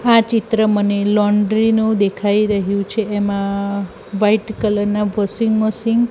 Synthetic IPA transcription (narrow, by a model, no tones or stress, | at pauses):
at͡ʃit̪ɾəmənelɔɳɖɾinũd̪ekʰaiɾəɦjũt͡ʃʰeːmã | ʋaiʈkələɾnaʋʱəsiŋɡmosɪŋɡ